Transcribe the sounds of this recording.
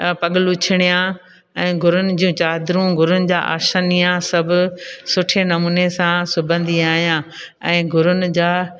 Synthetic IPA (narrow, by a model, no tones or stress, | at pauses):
pɐɠɪlut͡ɕʰɪɽ̃ijã | ɛ̃ːɡʱʊɾʊnɪ̆d͡ʑũːt͡ɕaːd̪ɾũɡʱʊɾʊnɪ̆d͡ʑaːʔa̰ːʃənijãsɐbʱʊ̆sʊʈʰenɐmuːnesãsʊbʱə̃nd̪ʱiaːɦijãː | ɛ̃ːɡʱʊɾʊnɪ̆d͡ʑaː